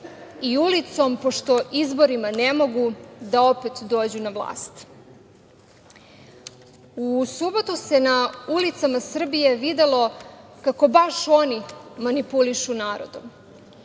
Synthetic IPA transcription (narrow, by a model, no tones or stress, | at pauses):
iulit̪so̞mpo̞ʃt̪o̞ʔizbo̞ɾimane̞mo̞ɡud̪ao̞pet̪d̪o̞ːd͡ʑunaʋlˠa̰ːst̪ | usubo̞t̪use̞naulit̪samasr̩bije̞ʋid̪e̞lo̞kako̞baʃo̞nimanipuliʃunaːɾo̰d̪o̰m